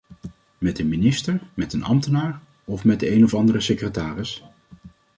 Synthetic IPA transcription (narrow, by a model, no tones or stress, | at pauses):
mɛtənminɪstəɹmɛtənʔɑ̰mtənaːɹ | ɔfmɛt̚dəejnɔfɑndərəsekrətaːrɪs